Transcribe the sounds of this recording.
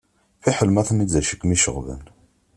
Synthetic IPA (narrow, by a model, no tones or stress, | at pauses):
fiħəlmæθnizæʃəkmiʃə̰ʁvə̰n